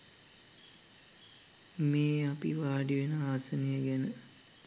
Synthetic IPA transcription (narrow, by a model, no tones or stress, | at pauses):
meːapḭʋaːɖiʋenəaːsənejəɡænə